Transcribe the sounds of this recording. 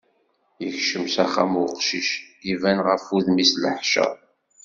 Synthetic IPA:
jəçʃəmsæχamwʊqʃiʃivænʁəfuðmisləħʃæ̰ˤ

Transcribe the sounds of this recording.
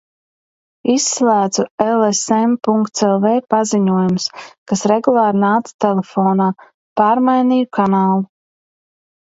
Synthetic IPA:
isːlˠæːd̪zuelˠesempuŋkt̪selˠveːpaziɲuɔjumskasɾeɡulˠaːɾnaːt̪st̪ɛlefɔːnaː | paːɾmajniːjukʰanaːlˠu

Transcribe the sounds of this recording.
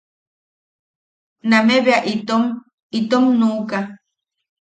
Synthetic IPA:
nameβeaʔit̪om | it̪omnuːka

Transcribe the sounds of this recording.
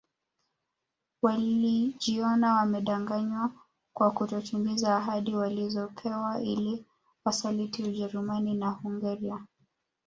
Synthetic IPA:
waliʄiɔnawamɛɗaŋɡaɲwa | kwakutɔt͡ʃumɡizaːɦaɗiwalizɔkʰɛwaʔḭli | wasalitiuʄɛɾumaninahuŋɡaɾia

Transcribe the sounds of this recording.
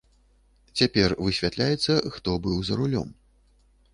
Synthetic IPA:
t͡sʲapʲɛrvɨsʲvʲat̪lʲajɛt̪sːɐxt̪ɔbɨwzɐɾulʲɔ̰m

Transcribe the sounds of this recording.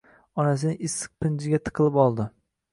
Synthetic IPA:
ɒnas̬ɪnɪɪsːɨ̥q̚pɪnd͡ʒɪɡʲat̪ʰɨ̥qʰɨlˠɪpɒlˠd̪ɪ

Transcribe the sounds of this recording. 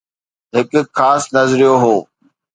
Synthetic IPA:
ɦɪkʊxaːsnɐzɾijoɦoː

